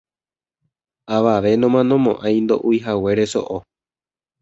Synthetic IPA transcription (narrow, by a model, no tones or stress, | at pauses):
aʋaʋe̞nõ̞mãnõ̞mõ̞ʔãj̃nd̪o̞̰ʔuiɦawe̞ɾe̞so̰ʔo